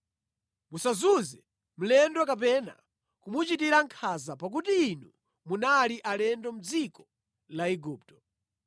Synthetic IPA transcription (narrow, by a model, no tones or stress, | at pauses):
musazuzɛ | m̩lɛndwɔkap̬ɛna̰ | kumut͡ʃitiɾaŋkʰazapak̬utiːnu | munaliʔalɛndɔm̩d͡zikɔ | laiɡuːp̚tɔ̥